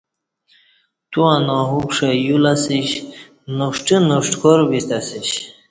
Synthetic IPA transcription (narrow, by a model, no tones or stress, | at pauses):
t̪uanoɦukʂajulasiɕ | nuʂʈinoʂʈkʰoɾbist̪asiɕ